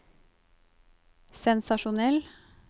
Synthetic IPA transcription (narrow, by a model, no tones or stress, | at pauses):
sɛnsɑʃʊnɛl